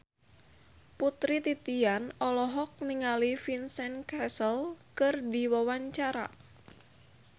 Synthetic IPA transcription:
put̪ɾit̪it̪ianɔlɔɦɔk̚niŋalifinsɛnkɛsəlkɨrdiwawaɲt͡ʃaɾa̰

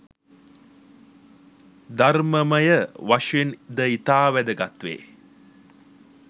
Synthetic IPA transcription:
d̪arməməjəʋaʂend̪əit̪aːʋæd̪əɡat̪ʋḛː

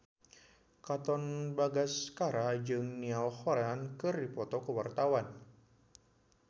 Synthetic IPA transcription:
kat̪ɔnbaɡaskaɾad͡ʒɨŋnialhɔɾankɨrdipɔt̪ɔkəwart̪awan

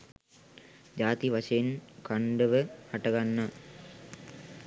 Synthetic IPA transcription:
d͡ʒaːt̪iʋaʂejenkaɳɖəʋəhaʈɐɡanːa

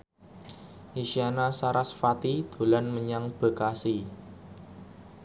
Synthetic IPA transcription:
ʔiʃianasaɾasfat̪id̪̥o̤lanməɲaŋb̥ə̤kasi

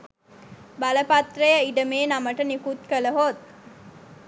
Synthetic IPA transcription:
baləpat̪rəjəiɖəmeːnaməʈənikut̪̚kələɦot̪̚

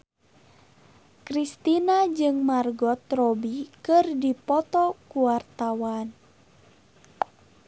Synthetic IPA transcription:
kɾist̪inad͡ʒɨŋmarɡɔt̪rɔbikɨrdipɔt̪ɔkuwart̪awan

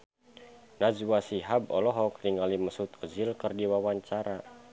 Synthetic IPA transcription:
nazwasiɦab̚ɔlɔɦɔk̚niŋaliməsut̪ɔzilkərdiwawaɲt͡ʃaɾa

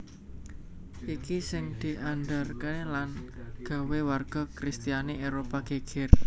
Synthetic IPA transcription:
ʔikisɪŋd̪̥i̤ʔanɖarkenelanɡ̥a̤wewarɡ̥ɔ̤kɾist̪ijaneʔeɾopaɡ̥eɡ̥ɪr

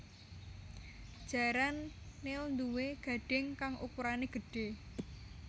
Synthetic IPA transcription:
d̥ʒ̥a̤ɾanːeund̪uweɡ̥a̤ɖ̥ɛ̤ŋkaŋʔṵkuɾaneɡ̥ə̤ɖ̥e̤

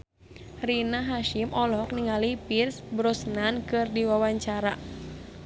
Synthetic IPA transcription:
rinaɦaʃimʔɔlɔk̚niŋalipirsbɾɔsnankɨrdiwawaɲt͡ʃaɾa

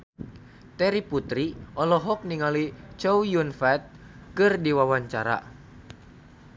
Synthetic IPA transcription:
t̪ɛɾiput̪ɾiʔɔlɔɦɔk̚niŋalit͡ʃɔwjunfɛt̪̚ | kɨrdiwawaɲt͡ʃaɾa̰

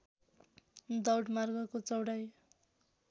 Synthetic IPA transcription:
d̪ʌwɽmarɡʌkot͡sʌwɽaj

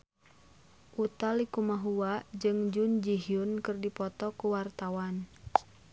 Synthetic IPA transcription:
ʔut̪alikumaɦuad͡ʒɨŋd͡ʒund͡ʒiɦiʊnkɨrdipɔt̪ɔkuwart̪awan

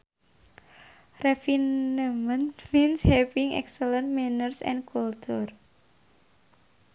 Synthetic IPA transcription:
refinamənminshɛpiŋɛ̰ksələnmɛnərsɛ̰̃nkultʰɔr

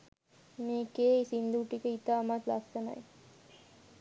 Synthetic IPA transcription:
meːkeːsind̪uʈikəit̪aːmat̪la̰ksəna̰j

